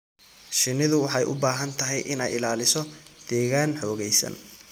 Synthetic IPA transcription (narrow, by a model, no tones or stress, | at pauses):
ʃɪnːɪðʊwɑħɑjʔʊ̰baːɦɐnt̪ʰɐɦɛjʔɪnɛ̰jɪlaːlɪsɔd̪̥ɛːɣaːnħɔːɣɛjsɐ̰n